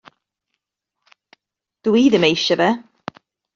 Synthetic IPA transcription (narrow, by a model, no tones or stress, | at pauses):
d̪̥əwiːðəmejʃəvɛ